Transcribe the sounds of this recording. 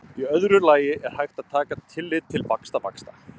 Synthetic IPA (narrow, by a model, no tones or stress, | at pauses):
iœðɾʏlaːjɪʔɛɾ̥hajxt̪að̥t̪ʰaːkat̪ʰɪlːɪðt̪ʰːɪlvakst̪ava̰kst̪a̰